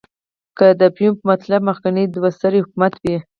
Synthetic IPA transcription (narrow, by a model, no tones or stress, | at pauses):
kəd̪əpjumpəmat̪lab̚məxkaned̪wast̪aɾihʊkumat̪wi